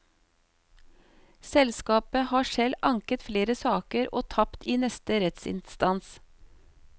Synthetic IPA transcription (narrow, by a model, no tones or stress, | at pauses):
sɛlskɑːpəhɑːʃɛlɑŋkət̪fleːɾəsɑːkəɾʔoːt̪ʰɑpt̪ʰiːnɛst̪əɾɛt̪sɪ̰nst̪ɑns